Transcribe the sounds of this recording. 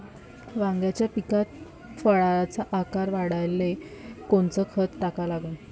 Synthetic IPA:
ʋãŋɡjat͡ɕjapikat̪̚ | fəɭaat͡saʔakaɾʋaɽajlekoɳt͡səːkʰət̪ʈakalaɡən

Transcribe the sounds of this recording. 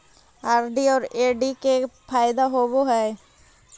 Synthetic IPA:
aːɾɖiɔːɾeːɖikepʰaːjd̪aɦoːboɦɛː

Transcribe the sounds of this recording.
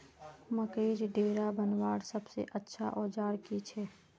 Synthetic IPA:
məkeːɾɖeːɾabənwaːɽsəbsḛʔətːʃʰa̰ʔɔːd͡ʒaːɽkit͡ʃʰɛː

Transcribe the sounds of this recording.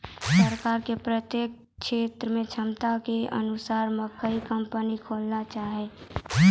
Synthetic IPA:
səɾkaːɾkepɾət̪jeːk̚ | ʃeːt̪ɾəmẽt͡ʃʰəmt̪akeə̰nʊsaːɾməkʰəikəmpənikʰoːlnat͡ʃaːɦɛ

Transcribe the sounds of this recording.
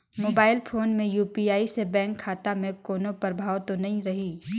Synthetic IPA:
moːbaːɪlpʰoːnmẽjuːpiaːisebɛ̃ːŋkʰːaːt̪amẽkoːnopɐɾbʱaːwt̪onɐɦĩɾɐɦiː

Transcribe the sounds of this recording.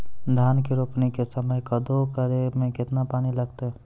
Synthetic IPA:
d̪ʱjaːnkiɾoːpnekesəməjkɐd̪okəɾemẽkɪt̪napaːnilɐɡt̪eɦɛ

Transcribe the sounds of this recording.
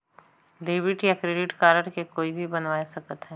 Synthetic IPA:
ɖeːʋɪʈjakɾeːɖɪʈkaːɾəɾkekoːibʱibɐnʋaːesɐkət̪ɦɛː

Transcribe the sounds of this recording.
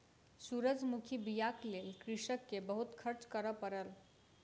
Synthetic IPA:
suɾəd͡ʒʱmukʰibijaklelkɾiʃəkːebəɦut̪kʰəɾt͡ʃkəɾəpəɾəl

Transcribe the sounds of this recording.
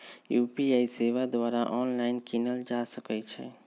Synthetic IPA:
juːpiaːiseːʋad̪ʋaːɾaʔɔːnlaːɪnkinəld͡ʒaːsəkɛt͡ʃʰɛ̰

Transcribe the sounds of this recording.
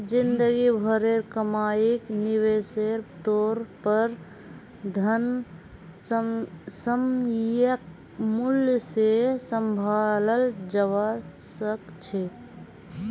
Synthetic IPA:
d͡ʒɪ̃nd̪əɡibʱəɾeɾkəmaːikniweːseɾʈoːɾpəɾ | d̪ʱən | səmjəkmʊljsesə̃mbʱaːləld͡ʒəwasəkt͡ʃʰe

